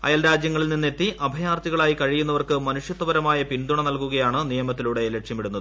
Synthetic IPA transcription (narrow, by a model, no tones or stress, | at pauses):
ɐ̰jaːlɾaːd͡ʑjɐŋːɐɭilnːinːet̪ːiʔɐbʱɐjaːrt̪iɣɐɭaːjikɐɻijunːɐʋɐrkɨmɐnuʂjɐt̪ːɐʋɐɾɐmaːjɐpind̪uɳɐnɐlkuɣɐjaːɳɨnijɐmɐt̪ːiluɽe̞leʈʂjɐmiɽunːɐðɨ